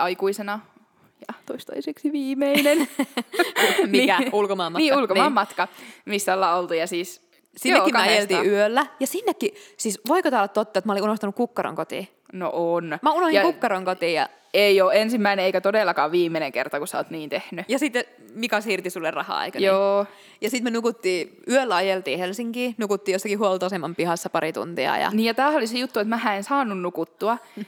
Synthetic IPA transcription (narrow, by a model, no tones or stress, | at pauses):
ʔɑikuisenɑ | jɑt̪oist̪o̰iseksiʋiːmenen | mikæulkomɑmmɑniːulkomɑmːɑt̪kɑmisːælːɑolt̪ujɑsiːs | siːekimkæɑjelt̪iːyølːæjɑsinːekːisiːsʋoikot̪ɑːlːɑt̪t̪ːot̪ːɑet̪mɑoliunoht̪ɑnukukːɑro̰ŋkot̪ḭ | no̰ʔonmæunohijɑkukːɑɾoŋkot̪iːjɑ̰ | eioːensimːæineeikæt̪odeˑlːɑkɑːʋʋiːmːeneŋkert̪ɑkusæo̰ːt̪niːnt̪ehnyjɑsit̪ːe | mikɑshirt̪isulːerɑ̰hɑ̰ːḛikɑjoː | jɑsit̪menukut̪ːiːyølːæɑjelt̪iːhelsiŋkiːnukut̪ːiːjosːɑkihuolt̪oˑsemːɑmpihɑsːɑpɑɾit̪ṵnt̪iɑ̰jɑ̰niːjɑt̪æːholisejut̪ːuet̪mæhæ̃ensɑːnːunnukut̪ːuɑ